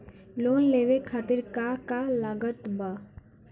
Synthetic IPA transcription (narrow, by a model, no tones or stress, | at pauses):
loːnleːʋekʰaːt̪ɪɾkakalaɡət̪baː